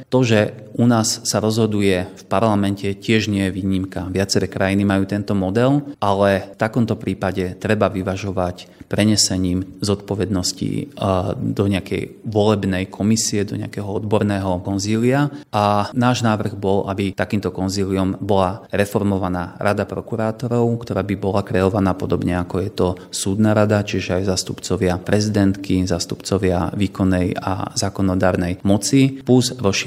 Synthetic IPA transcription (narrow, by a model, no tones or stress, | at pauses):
t̪ɔʒɛ | ʔunaːsːaɾɔzɦɔd̪ujɛfpaɾlamɛncɛcɪɛʒɲɪɛjɛʋiːɲimkaʋɪat͡sɛɾɛkɾajinimajuːt̪ɛnt̪ɔmɔd̪ɛlʔalɛft̪akɔmt̪ɔpɾiːpaɟɛt̪ɾɛbaʋiʋaʒɔʋacpɾɛɲɛsɛɲiːmzɔt̪pɔʋɛd̪nɔscḭ | d̪ɔɲɪakɛ̰jʋɔlɛbnɛjkʰɔmisiɛd̪ɔ̰ɲɪakɛɦɔɔd̪bɔɾnɛːɦɔkɔnziːliaʔanaːʒnaːʋr̩ɣbɔlabit̪akiːmt̪ɔkɔnziːliɔmbɔlaɾɛfɔɾmɔʋanaːɾʔad̪apɾɔkuɾaːt̪ɔɾɔʊkt̪ɔɾaːbibɔlakɾɛɔʋanaːpɔd̪ɔbɲɛakɔjɛt̪ɔ | suːd̪naɾad̪at͡ʃiʒɛajzaːst̪upt͡sɔʋɪapɾʔɛzid̪ɛnt̪kizaːst̪upt͡sɔʋɪaʋiːkɔnːɛja̰zaːkɔnɔd̪aːɾnɛjmɔt͡sipuzɾɔʃi